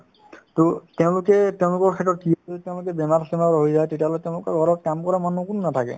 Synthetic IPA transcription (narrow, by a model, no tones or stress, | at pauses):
totɛʊ̃lʊkɛtɛʊ̃lʊkɔɹkʰɛtɔt̚kiotɛʊ̃lʊk̬ɛbɛmaɹsimaɦojzajtetiaɔlɔjtɛʊ̃lʊkɔɡʱɔɹɔt̚kamkɔɹamanukununatʰakɛ̰